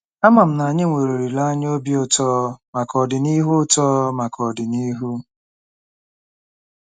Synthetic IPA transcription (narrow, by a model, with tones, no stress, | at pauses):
a˦ma˨m̩˨na˨ɲɪ˦ŋʷe˨ɾo˨ɾi˨la˦ɲ˦o˦bi˦ʊ˦tɔː˦ma˨kɔ˨dɪ˨ni˦ɦʊ˦tɔː˦ma˨kɔ˨dɪ˨ni˦ɦu˦